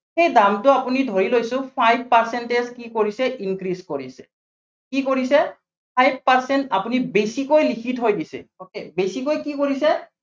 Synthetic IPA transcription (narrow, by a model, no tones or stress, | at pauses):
xejdamtʊapunidʱoɹilojsʊ̃pʰajb̚ʱpaɹsɛnteskikoɹisɛʔinkɹiskoɹisɛ̥̰ | kikoɹisɛ | pʰajb̚ʱpaɹsɛntapunibesikojlikʰitɦojdisɛ̰okebesikojkikoɹisɛ